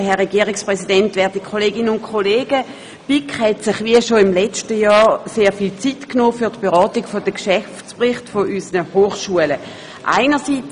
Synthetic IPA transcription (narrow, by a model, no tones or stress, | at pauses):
ɦɛʁɛɡiəʁɪkspʁɛsidɛntʋɛɐdikʰχoleːɡɪnənʊntkʰoleːɡ̥ə | b̥ikhɛtsɪχviəʃoɪmlɛt͡ʃtəjɑːseːɐfiːlt͡sitknoːfyɐtb̥eʁɑːtiɡ̥fodəkʃɛft͡spʁɪχtfoʔysənəhoːχʃuələ | ʔa̰ɪnəsiːt͡s